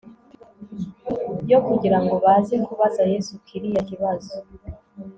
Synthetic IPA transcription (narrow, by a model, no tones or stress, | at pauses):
jo̞kuɟiɾaŋɡo̞βazeŋkuβazajesukʰiɾijakiβazo